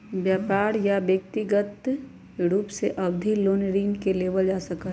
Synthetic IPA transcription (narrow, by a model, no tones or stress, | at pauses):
bjaːpaːɾjabjəkt̪iɡət̪ | ɾuːpseʔɐbd̪ʱiloːnɾiːnkeleːʋəld͡ʒaːsək